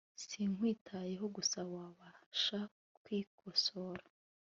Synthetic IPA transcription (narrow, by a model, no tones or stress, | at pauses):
siŋwiːtʰaje̞ɦo̞ɡusawaβaʃa | kwiːkʰosoɾḁ